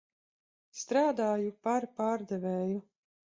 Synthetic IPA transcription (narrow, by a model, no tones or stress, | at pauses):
st̪ɾaːd̪aːjupaɾpaːɾd̪ɛveːju